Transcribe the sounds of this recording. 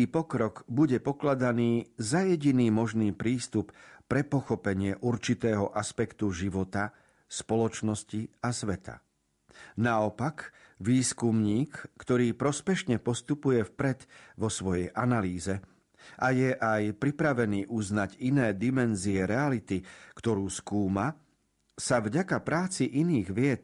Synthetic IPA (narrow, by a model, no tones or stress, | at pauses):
iːpɔkɾɔɡbuɟɛpɔklad̪aniːzajɛɟiniːmɔʒniːpɾiːst̪uppɾɛpɔxɔpɛɲɪɛʔuɾt͡ʃit̪ɛːɦɔʔaspɛkt̪uʒiʋɔt̪a | spɔlɔt͡ʃnɔsciasʋɛt̪ʰa̰ | naɔpak | ʋiːskumɲiːkːt̪ɔɾiːpɾɔspɛʃɲɛpɔst̪upujɛfpɾɛt̪ʋɔsʋɔjɛjʔanaliːzɛ | ʔajɛʔajpɾipɾaʋɛniːʔuznaɟinɛːd̪imɛnziɛɾɛalit̪ikt̪ɔɾuːskuːma | savɟakapɾaːt͡siʔiniːɣʋɪɛt̪